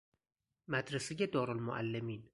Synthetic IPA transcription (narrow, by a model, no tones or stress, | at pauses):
mæd̪ɾesejed̪ɒːɾolmo̰ʔæ̰lːemiːn